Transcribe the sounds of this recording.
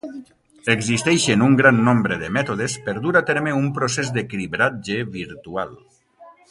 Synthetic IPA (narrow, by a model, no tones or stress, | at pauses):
eɡzist̪ɛʃenuŋɡɾanːombɾeðemɛt̪oð̞espeɾd̪uɾat̪eɾmeumpɾosezd̪eklibɾat̪̚ʒeβiɾt̪ua̰l